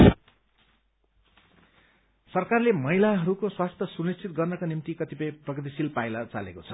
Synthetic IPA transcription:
sʌrkarlemʌɦilaɦʌɾukoswast̪ʰʌsunist͡sʰit̪̚ɡʌrnʌkonimt̪ikʌt̪ipʌjprʌɡʌt̪̬isilpajlʌt͡sa̰lḛkot͡sʰʌ̥

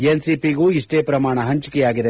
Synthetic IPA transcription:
ensipiɡuːiʂʈeːpɾɐmaːɳɐɦɐɲt͡ʃi̥kɛjaːɡid̪e̞

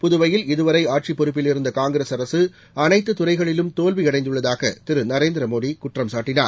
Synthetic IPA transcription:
pʊðʊʋɐjɪlɪðɯʋɐɾɐɪaːʈ̚t͡ʃipːɔɾɯp̬ːɪlɪɾɯnd̪ɐkaːŋɡɪɾeːsɐɾɐsɯ | ɐnɐɪt̪ːɯt̪ʊɾɐɪɣɐɭɪlɯmt̪oːlʋiɐɽɐɪnd̪ɯɭːɐðaːɣɐ̰t̪ɪɾɯnɐɾeːnd̪ɪɾɐmoːɽikʊʈːrɐmsaːʈːɪnaːɾ

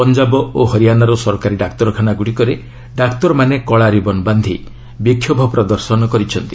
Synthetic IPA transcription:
pɔnd͡ʒabɔoɦɔɾijanaɾɔsɔɾɔkaɾiɖakt̪ɔɾɔkʰanaɡuɽikɔɾe | ɖakt̪ɔɾɔmanekɔɭaɾibɔnband̪ʱi | bikʰːjɔbʱɔpɾɔd̪ɔɾsɔnɔkɔɾit͡ʃʰɔnt̪i

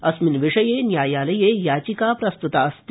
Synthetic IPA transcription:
ɐsminʋiʂɐjeːnjaːjaːlɐjeːjaːt͡ʃikaːpɾɐst̪ut̪aːst̪

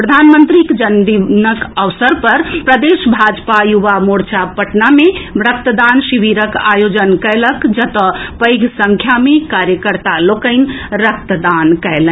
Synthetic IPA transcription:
pɾəd̪ʱanmənt̪ɾikd͡ʒənd̪inəkəʋsəɾpəɾpɾəd̪eʃbʱad͡ʒpajuʋamoɽt͡ʃʰapəʈnamebɾək̚t̪əd̪ansiʋiɾəkajod͡ʒənkəɪləkd͡ʒət̪əpəɪɡʱsə̃ŋkʰjamekaɾjəkəɾt̪alokəɪnɾək̚t̪əd̪ankɛɪlɛ̃

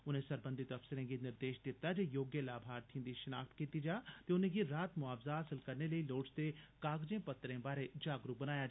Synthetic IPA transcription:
ʊn̤ẽsɐɾbə̃nd̪ʱit̪ɐfsɪɾẽɡinɪɾd̪eːʃd̪ɪt̪ːad͡ʒejoːɡjəlaːbʱaːɾt̪ʰĩnd̪iʃɐna̰ːkt̪kiːt̪id͡ʒaːt̪eʊnẽɡiɾaːt̪mʊaːfzaɐsəlkɐɾneləiloːɽst̪ekaːɡd͡ʒẽpɐt̪ːɾẽbaːɾed͡ʒaːɡɾukbɐnaːja

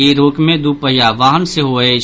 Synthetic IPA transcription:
iɾoːkmẽd̪upəɦjaːʋaːɦənseɦoːe

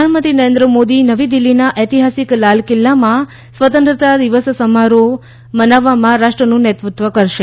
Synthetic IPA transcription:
əanmə̃nt̪ɾinəɾẽnd̪ɾəmod̪inəʋid̪ilːinaʔet̪iɦasiklalkɪlːamã | sʋət̪ə̃nt̪ɾət̪ad̪iʋəssəmaɾo | mənaʋːamãɾaʂʈɾənũnɛt̪ɾut̪ʋəkəɾʃe

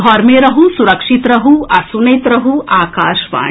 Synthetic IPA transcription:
ɔːɾmẽɾɐɦusuɾɐkʂit̪ɾɐɦuʔɐsunɐjt̪ɾɐɦuʔaːkaːʃʋa̰ː

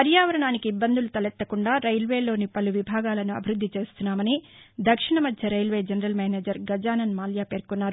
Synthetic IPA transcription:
pɐɾjaːʋɐɾɐɳaːnikiːbːɐnd̪ulut̪ɐlɛt̪ːɐkuɳɖaːɾɐjlʋeːlo̞ːnipɐluʋibʱaːɡaːlɐnuɐ̰bʱiɾud̪ʱːit͡ʃe̞ːst̪unːaːmɐni | d̪ɐkʂiɳɐmɐd̪ʱjɐɾɐjlʋe̞ːd͡ʒɐnɐɾɐlmeːneːd͡ʒɐɾɡɐd͡ʒaːnɐnmaːljaːpe̞ːɾkunːaːɾu

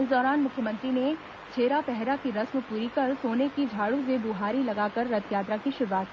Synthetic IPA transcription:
ɪsd̪ɔːɾaːnmʊkʰjəmə̃nt̪ɾine | t͡ʃʰeːɾapɛɦɾakiɾɐsməpuːɾikɐɾsoːnekid͡ʒʱaːɽũs̬ebuɦaːɾilɐɡaːkɐɾːɐt̪ʰjaːt̪ɾakiʃɪɾʋaːt̪ː

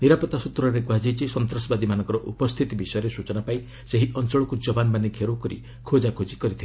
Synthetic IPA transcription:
niɾapɔt̪asut̪ɾɔɾeɡwad͡ʒijt͡ʃʰisɔnt̪ɾɔsɔbad̪imanɔ̃ŋkɔɾɔʔupɔst̪ʰit̪ibisɔjɔɾesut͡ʃɔnapaj | seɦiʔɔnt͡ʃɔɭɔkud͡ʒɔbanmaneɡʱeɾokɔɾḭ | kʰod͡ʒakʰod͡ʒikɔɾit̪ʰil

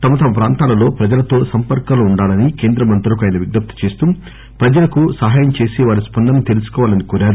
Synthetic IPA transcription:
t̪ɐmɐt̪ɐmɐpɾaːnt̪aːlɐlo̞ːpɾɐd͡ʒɐlɐt̪o̞ːsɐmpɐɾkaːlɐuɳɖaːlɐnike̞ːnd̪ɾɐmɐnt̪ɾulɐkɐjnɐʋiɡnɐp̚t̪u̥t͡ʃe̞ːst̪uː | pɾɐd͡ʒɐlɐkusɐɦaːjɐmt͡ʃe̞ːseːʋaːɾispɐnd̪ɐnːit̪e̞lusu̥kɔːʋaːlɐnikuːɾaːɾu

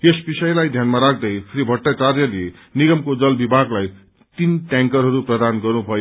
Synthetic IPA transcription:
esbisʌjlajd̪ʱjanmaɾak̚ʰd̪ʌjpʰɾibʱʌʈːat͡sarjʌlie | niɡʌmkod͡zʌlbibʱaɡlaj | t̪inʈjãŋkʌrɦʌɾuprʌd̪anɡʌrnubʱʌjo

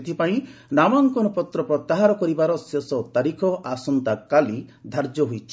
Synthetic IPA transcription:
t̪ʰipaĩnamaŋkɔnɔpɔt̪ɾɔpɾɔt̪ːaɦaɾɔkɔɾibaɾɔsesɔt̪aɾikʰɔʔasɔnt̪akalid̪ʱaɾd͡ʒɔɦujt͡ʃʰi

